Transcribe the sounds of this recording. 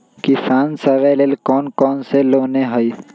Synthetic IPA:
kɪsaːnsəʋelelkɔːnkɔːnseloːneɦəi

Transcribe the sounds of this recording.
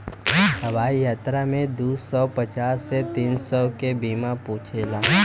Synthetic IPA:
ɦɐʋaːijaːt̪ɾamẽd̪uːsɔpət͡ʃaːsːet̪iːnsɔkebiːmapũːt͡ʃʰelaː

